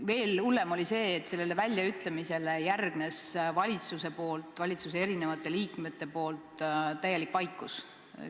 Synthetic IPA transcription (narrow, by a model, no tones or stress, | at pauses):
ve̞ːlulːe̞mo̞lʲise̞ːt̪ːse̞lːe̞le̞vælʲːjɑyt̪ˑlemise̞le̞jærɡ̥ne̞svɑlʲit̪suse̞po̞ːlt̪ːˑvɑlʲit̪sus̬ee̞ɾine̞vɑt̪ːˑe̞liːkme̞t̪ːe̞po̞ːlt̪ˑt̪ːæjːe̞likvɑjkːˑus